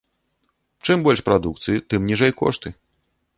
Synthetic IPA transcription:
t͡ʂɨmbɔlʲʂpɾad̪uk̚t̪sɨjit̪ɨmnʲiʐɛjkɔ̰ʂt̪ɨ

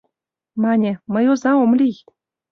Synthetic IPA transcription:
mɑnʲĕmɤ̆jozɑomlʲij

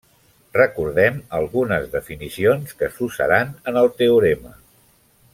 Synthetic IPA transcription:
rəkuɾðɛməlˠɣunəzðəfinisionskəsusə̰ɾanənəlˠt̪euɾemə

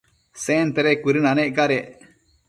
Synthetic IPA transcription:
seːnt̪eɾekuɾinaneʔkaɾeʔ

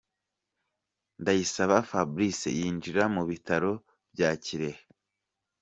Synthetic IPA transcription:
ndajisaβafabɾisḛjiːnd͡ʒiɾamuβitaɾo̞ | b̥jaciɾehe

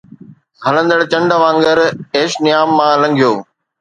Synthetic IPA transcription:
ɦɐlə̃nd̪əɽt͡ɕɐ̃ɳɖəʋãːŋɡəɾeːʃnɪjaːmːãːlɐ̃ŋɡʱijoː

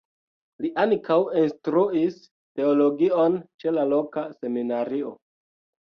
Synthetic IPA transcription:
liʔaŋkawinstɾuis | te̞olo̞ɡio̞nt͡ʃe̞lalo̞kase̞minaɾio̞

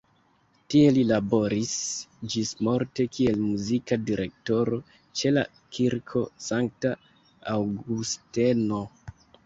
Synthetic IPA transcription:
tie̞lilabo̞ɾisd͡ʒismo̞ɾte̞kie̞lmuzikadiɾʔe̞̰k̚to̞ɾo̞ | t͡ʃe̞la̰ | kʰiɾkʰo̞saŋk̚ta | awɡusteno̞

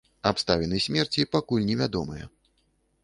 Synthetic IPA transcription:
apst̪avʲɛnɨsʲmʲɛrt͡sʲipakulʲnʲɛvʲad̪ɔmɨjɛ̰

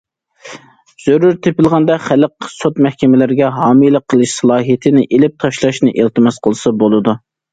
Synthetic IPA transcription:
z̥øɾuɾt̪ʰepɪlˠʁɑnd̪ɑχæləqsot̪mɛhkʲɛmɪlɪɾɡʲɛɦɑːmijlˠəqʰːəlˠɨʃsɑlˠɑːɦijt̪ʰɪnɪʔelɪp̚t̪ʰɑʃlˠɑʃnɪʔelˠt̪ɨmɛsqʰəlˠɨsɑbolˠɨd̪u

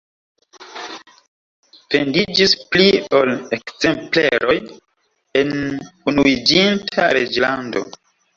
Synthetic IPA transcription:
fendid͡ʒisplio̞lekze̞mpleɾo̞j | e̞nunuid͡ʒintʰaɾed͡ʒlando̞̰

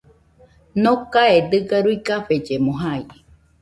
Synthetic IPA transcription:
nokaed̪ɨɡaɾuikaɸed͡ʒemoɦai

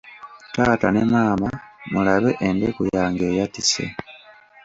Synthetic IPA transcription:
taːtane̞maːmamulaβe̞ʔende̞kujaːŋɡe̞ːjatisḛ

